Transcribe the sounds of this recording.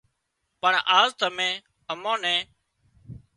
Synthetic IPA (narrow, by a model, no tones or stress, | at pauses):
pəɳaːzt̪əmẽː | əmõːnɛ̃ː